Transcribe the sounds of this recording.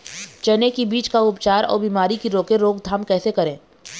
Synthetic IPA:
t͡ʃɐnekibiːt͡ʃkaʊpt͡ʃaːɾɔ̰ːɾbiːmaːɾikiɾoːkeɾoːɡd̪ʱaːmkɛːsekɐɾẽː

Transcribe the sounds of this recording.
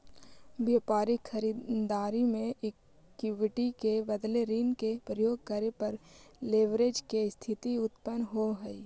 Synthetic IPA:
beːpaːɾixʰəɾiːd̪d̪aːɾimẽʔɪkː | uʋɪʈikebəd̪leɾiːnkepɾəjoːɡ̚kəɾepɐɾleːʋɾeːd͡ʒkest̪ʰɪt̪iʊt̪pənɦoɦəi

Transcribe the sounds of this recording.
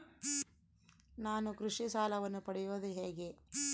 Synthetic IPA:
naːnukɾuʂisaːlɐʋɐnːupɐɽɛjoːd̪uɦeːɡe

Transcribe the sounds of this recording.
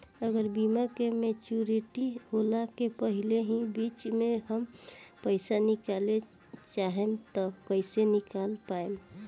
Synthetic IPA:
əɡəɾbimakemet͡ʃuɾiʈiholakepəɦileɦĩbit͡ʃmeɦəmpəɪsanikale | t͡ʃaɦemt̪ɔkəɪsenikalpaem

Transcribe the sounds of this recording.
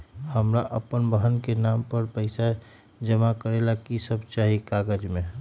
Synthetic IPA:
həmɾaʔəpənbəɦənkenampəɾpəɪsa | d͡ʒəmakəɾelakisəbt͡ʃaːɦikaɡəd͡ʒmẽ

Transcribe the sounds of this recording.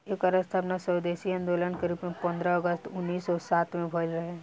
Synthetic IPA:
eːkəɾəst̪ʰəpnasəwd̪eːʃiɐ̃nd̪oːlənkəɾibmẽpə̃nd̪ɾəəɡəst̪ʊnːiːsɔːsaːt̪mẽbʱəlɾɐɦe

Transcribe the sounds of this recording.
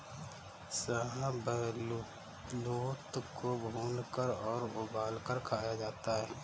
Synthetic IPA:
səɦãbəɦlu | loːt̪kobʱuːnkəɾɔːɾʊbaːlkəɾkʰaːjad͡ʒaːt̪aɦɛː

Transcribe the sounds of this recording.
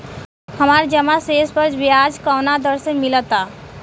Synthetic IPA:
həmaɾd͡ʒəmaseːsbəɾd͡ʒbijad͡ʒkɔːnad̪əɾsə̃nmɪlət̪a

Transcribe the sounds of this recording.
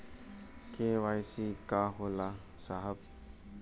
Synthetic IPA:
kewajsikaɦola | saɦəb̚

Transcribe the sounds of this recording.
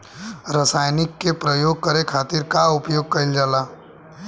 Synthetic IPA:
ɾəsaːjnɪkːepɾəjoːɡ̚kəɾekʰaːt̪ɪɾkaʊpjoːɡ̚kɐɪld͡ʒaːlaː

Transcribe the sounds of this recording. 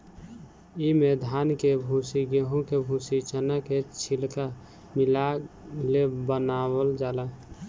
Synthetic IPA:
imed̪ʱankebʱusiɡeɦõkebʱusit͡ʃənaket͡ʃʰilka | milalebənawəld͡ʒala

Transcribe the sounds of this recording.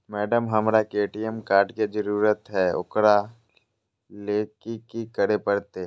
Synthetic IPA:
mɛːɖəmɦəmɾakeːʈijəmkaːɾɖked͡ʒəɾuːɾət̪ɦɛʊ̰kɾa | leːkikikəɾepəɾt̪eː

